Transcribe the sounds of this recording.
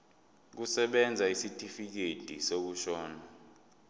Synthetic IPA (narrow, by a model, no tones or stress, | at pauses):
k̬usɛɓɛnd͡zʱaisitʼifik̬ed̥ʱisok̬uʃɔːna